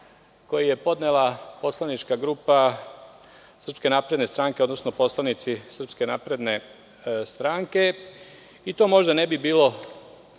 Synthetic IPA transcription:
ko̞jije̞po̞d̪nelapo̞slˠanit͡ʃkaɡɾuːpa | sr̩pske̞naːpɾe̞d̪ne̞st̪ɾaŋkeo̞d̪nosno̞po̞slˠanit̪sisr̩pskenaːpɾe̞d̪ne̞ | st̪ɾaŋke̞ | it̪o̞ːmo̞ʒd̪ane̞bibiːlo̞

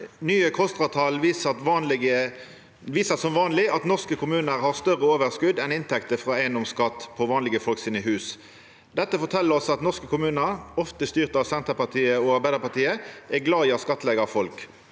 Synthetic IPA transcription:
nyːəkʰɔst̪ʁɑt̪ʰɑlʋist̪ʋɑːnlɪə | ʋiːsəsɔmʋɑːnlɪɑt̪nɔʁskəkʰʊmʉːnəɾhɑʁst̪œʁəoːʋəʁskʉd̪ːɛnɪnt̪ʰɛkt̪əfʁɑːæɪənd̪ɔmskɑt̪ːpʰɔʋɑːnlɪɡəfɔlksɪnəɦʉːs | d̪ɛt̪ːəfɔt̪ʰɛlːəʁɔsɑt̪nɔʁskəkʰʊmʉːnəɾɔft̪əst̪yːʁt̪ɑʋsɛnt̪əpɑt̪ʰiːəɔɑɾbæɪd̪əʁpɑʁt̪iːəɛɡlɑːɪːɑt̪skɑt̪ːəlɛːɡɑfɔlk

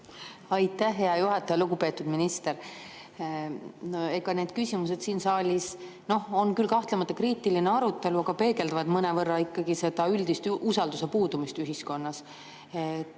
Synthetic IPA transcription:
ɑjt̪ːˑæːe̞ɑjuɦɑt̪ːˑɑjɑluɡupe̞ːt̪ːud̪minist̪e̞ɾ | e̞ɡɑne̞ːd̪̥̚kysʲimus̬e̞d̪̥siːnsɑːlʲis | no̞ho̞nkylkɑht̪lemɑt̪ːˑɑkriːt̪ˑiline̞ɑɾut̪ːˑe̞luɑɡ̥ɑpe̞ːɡe̞ld̪ɑvɑd̪mɤne̞vɤrːɑikˑːɑɡ̥ise̞d̪̥ɑyld̪̥ist̪ʔusɑld̪̥use̞puːd̪̥umist̪yɦisko̞nːɑs | et̪ː

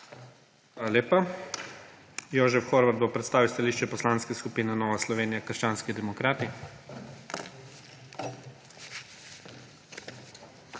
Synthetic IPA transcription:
xʋalaleːpa | jɔːʒɛfxoɾʋad̪̚bopɾɛt̪st̪aːʋiwst̪aliːʃt͡ʃɛpɔslaːnskɛskupiːnɛnɔːʋaslɔʋeːnijakəɾʃt͡ʃaːnskid̪ɛmɔkɾaːt̪i

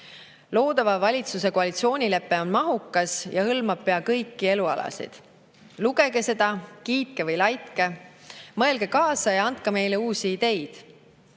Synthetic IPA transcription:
lo̞ːd̪̥ɑvɑvɑlʲit̪sus̬e̞koɑlʲit̪sio̞ːnʲile̞pːe̞o̞nmɑɦukːˑɑsjɑhɤlmɑb̥̚pe̞ɑkɤjkˑːie̞luɑ̰lɑ̰sḭd̪̥ | luɡ̥e̞ɡe̞se̞d̪̥ɑkiːt̪̚ke̞vɤjlɑjt̪ke̞mɤ̞elɡ̥ekɑːsɑjɑnt̪̚kɑme̞jle̞uːsiːd̪e̞jd̪̥

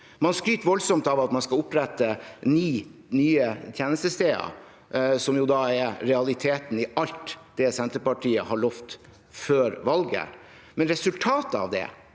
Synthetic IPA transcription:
mɑnskɾyːt̪ʋɔlsɔmt̪ɑʋɑt̪mɑnskɑʊpɾɛt̪ːəniːnyːət̪ʰjeːnəst̪əst̪eːɑ̰ | sɔmjʊd̪ɑːɛɾɾɛɑlɪt̪ʰeːt̪n̩ɪɑlt̪d̪̥ɛsɛnt̪əpɑʈʰiːəhɑɭɔft̪ | føːɾʋɑlɡə̰ | mɛnɾɛsʉlt̪ʰɑːt̪əɑ̰ʋd̪ɛ̰

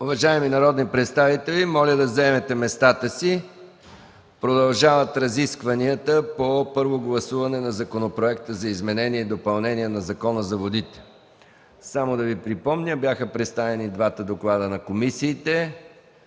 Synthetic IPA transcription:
ʊvɐʒaɛminɐɾɔd̪nipɾɛt̪st̪avit̪ɛlimɔlʲəd̪ɐzɛmɛt̪ɛmɛst̪at̪əsi | pɾod̪ɐlˠʒavət̪ɾɐziskvɐniət̪əpopɤɾvoɡlˠɐsuvɐnɛnɐzɐkonopɾoɛkt̪əzɐizmɛnɛniɛid̪opɐlˠnɛniɛnɐzɐkɔnəzɐvod̪it̪ɛ̥ | samod̪ɐvipɾipɔmnʲəbjaxəpɾɛt̪st̪avɛnid̪vat̪əd̪oklˠad̪ənɐkomisiːt̪ɛ

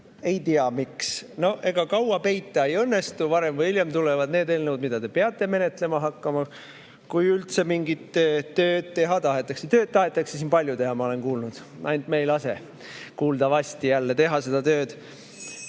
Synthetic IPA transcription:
e̞jt̪iɑmiksno̞e̞ɡ̥ɑkɑwɑpe̞jt̪ˑːɑejɤnːe̞st̪uvɑɾe̞mvɤjiljemt̪ulevɑd̪̥ne̞ːd̪e̞lnəwd̪mid̪̥ɑd̪e̞peɑt̪ˑːe̞me̞ne̞t̪ːˑle̞mɑɦɑkːɑmɑ | kujylt̪se̞miŋɡit̪ːt̪ø̞ːd̪̥̚t̪e̞ɦɑt̪ɑɦe̞t̪ːˑɑkset̪ø̞ːd̪̥̚t̪ɑɦe̞t̪ːˑɑksesinpɑlʲjut̪e̞ɦɑmɑo̞le̞nkuːlnud̪̥ | nʔɑjnt̪me̞jlɑse̞̰ | kuːld̪ɑvɑsʲt̪ijælːe̞t̪e̞ɦɑse̞d̪̥ɑt̪ø̞ːd̪̥

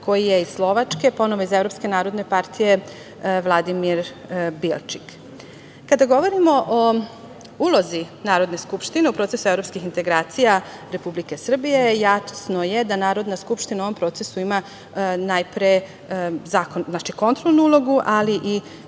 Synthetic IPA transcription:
ko̞jijeisslˠo̞ʋat͡ʃke̞po̞no̞ʋoizevɾo̞pske̞naːɾo̞d̪ne̞paɾt̪ʰije̞ | ʋlˠad̪imiɾbilt͡ʃi̥k | kad̪aɡo̞ʋo̞ɾimo̞ʔo | ulˠo̞zinaːɾo̞d̪ne̞skupʃt̪ine̞upɾot̪sesuevɾo̞pskixint̪e̞ɡɾaːt̪sijaɾe̞publike̞sr̩bije̞jat̪o̥sno̞je̞d̪anaːɾo̞d̪naskupʃt̪inaoʋompɾo̞ːt̪sesuima | najpɾe | zakonznat͡ʃiko̞nt̪ɾolˠnuulˠo̞ɡuʔaliʔi

